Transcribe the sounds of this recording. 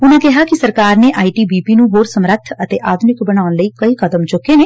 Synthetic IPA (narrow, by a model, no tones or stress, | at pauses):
ʊnẽːkɛɦaːkɪsəɾkaːɾneːʔaːiːʈiːbiːpiːnũːɦoːɾsəmɾət̪ʰət̪eːʔaːd̪ʱʊnɪkbəɽ̃aːʊnləiːkəiːkəd̪əmd͡ʒʊkːeːneː